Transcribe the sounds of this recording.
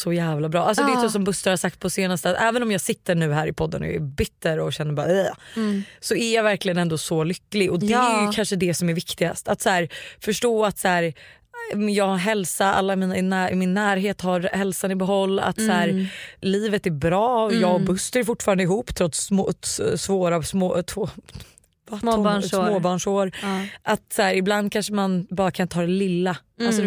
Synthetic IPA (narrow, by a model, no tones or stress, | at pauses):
sɔjæːvlabɾɑːʔalsɔd̪eɛʋas̬ɔmbɵst̪əɾhasak̚t̪̚pʰɔseːnast̪əat̪ɛːvənɔmjɑːɡsɪt̪ːəɳʉ̟ːɦæːɾɪpʰɔd̪ːə̰nɔ̰ɛ̰bʏt̪ːəɾɔɕɛnːəɾbɑːɾɛ | sɔæɾjɑːvæɾklɪɡənɛnd̪ɔsɔlʏkːlɪɔd̪ɛæɾjɵkʰanʂəd̪ɛsɔmæɾvɪkt̪ɪɡa̰st̪at̪sæːɾfœʂʈoːat̪sæːɾ | jɑːɦɛlsaʔa̰lːamiːnaɪnːæːmɪnːæːɾɦeːt̪haɾhɛlsanɪbɛɦɔlːa̰t̪sæːɾliːvət̪æɾbɾɑːjjɑːɡɔbɵst̪əɾjfʊʈːfɑːɾand̪ɪɦuːpːt̪ʰɾɔt̪smotsvoːɾasmoːt̪ʰvoː | vaː | oːbɑːɳʂoːɾʔat̪sæːɾɪbland̪̚kʰanʂəmanbɑːɾakʰanɪnt̪əhɑːd̪ɛlɪlːa | alsɔd̪